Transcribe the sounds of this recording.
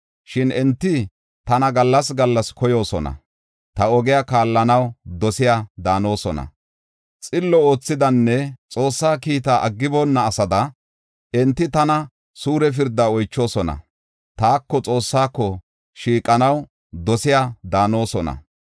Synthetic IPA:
ʃɪnɛnt̪ːɪ | t̪ɐnɐɡɐlːɐs̬ɡɐlːɐskɔjo̞ːsɔnɐ̰ | t̪ɐɔɡɪjaːkaːlːɐnɐwd̪ɔsɪjaːd̪aːno̞ːsɔnɐ̰ | t͡sʼɪlːɔoːt͡sːɪd̪ɐnːɛt͡sʼo̞ːsːaːkiːt̪aːʔɐɡːɪbɔnːɐːsɐd̪ɐ | ɛnt̪ːɪt̪ɐnɐ | suːɾɛf̬ɪɾd̪ːaɔjt͡ʃːo̞ːsɔnɐ̰ | t̪aːkːɔt͡sʼo̞ːsːaːkːɔ | ʃiːkʼːɐnɐw | d̪ɔsɪjaːd̪aːno̞ːsɔnɐ̰

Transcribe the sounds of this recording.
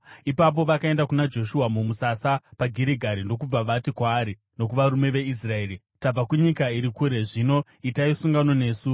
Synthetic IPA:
ipap̬o̞ʋakae̞ndakunad͡ʒo̞ʃuamumusasapaɡʱiɾiɡʱaɾindo̞k̬ub͡vaʋatikwaːɾi | no̞k̬uʋaɾume̞ʋe̞is̬rae̞ːri | tab͡vakuɲikaiɾikuɾe̞ʐino̞ | itaisuŋɡano̞ne̞ːsu

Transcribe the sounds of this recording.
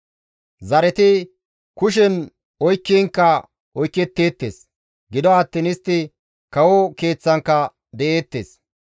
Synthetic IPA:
zɐɾɛt̪ɪ | kʊʃ̬ɛn | ɔjkːiːŋkːɐ | ɔjkːɛt̪ːeːt̪ːḛːs | ɡɪd̪ɔaːt̪ːɪːnɪst̪ːɪ | kɐwɔke̞ːt͡sːɐŋkːɐ | d̪ɛʔeːt̪ːeːs

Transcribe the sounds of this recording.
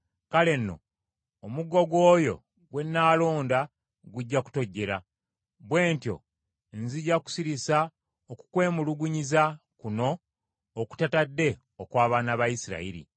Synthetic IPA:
kale̞nːo̞̰ː | muɡo̞ɡo̞ːjo̞̰ | ɡwe̞nːaːlo̞ːnda | ɡuɟːaku̥to̞ɟːe̞ɾa | βwe̞ːntjo̞̰ | nziɟːaku̥siɾisa | oku̥kwe̞ːmuluɡuɲizakuno̞ː | ku̥tatadːe̞ | okwaːβaːnaβajisiɾa̰iɾḭ

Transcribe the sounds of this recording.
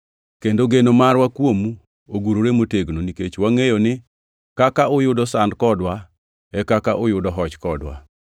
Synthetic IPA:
kendoɡenomaɾwakwomu | oɡuɾoɾemoteɡnoniket͡ʃwaŋejonɪ | kakaʊjʊdɔsandkɔdwa | ɛkakaʔʊjʊdɔɦɔt͡ʃkɔdwa̰

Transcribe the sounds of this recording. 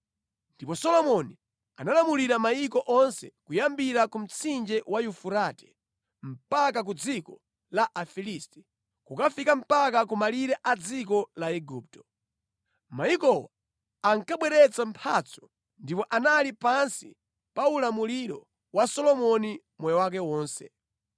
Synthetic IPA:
ndipɔsɔlɔmɔni | analamuliɾamajikɔʔɔnsɛkujambiɾakum̩t͡sʰind͡ʒɛwajufuɾatɛ̥ | m̩pak̬ak̬ud͡zikɔ | laʔafilistɛ̥ | kukafikam̩pak̬ak̬umaliɾɛʔad͡zik̬ɔlaɛɡuːp̚tɔ̥ | majikɔwa | aŋkaɓwɛɾɛt͡sampʰat͡sʰɔ̥ | ndipɔʔanalipansi | paulamuliɾɔ | wasɔlɔmɔni | mɔjɔwak̬ɛwɔːnsɛ̰

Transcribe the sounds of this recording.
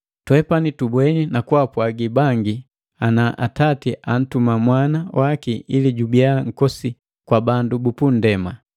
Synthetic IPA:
twɛpanitubwɛninakwapwaɡibaŋɡi | anaʔa̰tatiʔan̩tumamwanawʔakiiliɟubiaŋ̩kɔsi | kwabandubupun̩dɛma

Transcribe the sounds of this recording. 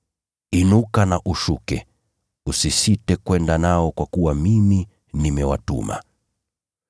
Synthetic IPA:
inukanaʔuʃukɛ | usisitɛkwɛndanaɔkwakuwamimi | nimɛwa̰tṵma̰

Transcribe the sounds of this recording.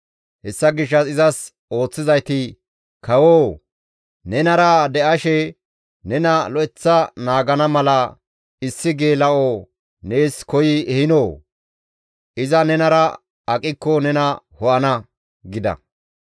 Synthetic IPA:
hɛsːɐɡɪʃ̬ːɐsɪzɐs | o̞ːt͡sːɪzɐjt̪ɪ | kɐwoː | nɛnɐɾɐd̪ɛʔɐʃɛ | nɛnɐlɔʔɛt͡sːɐnaːɡɐnɐmɐlɐ | ɪsːɪɡeːlɐʔo | neːskɔjɪɛhɪnoː | ɪzɐnɛnɐɾɐ | ɐkʼɪkːɔnɛnɐ | hɔʔɐnɐ | ɡɪd̪ɐ̰

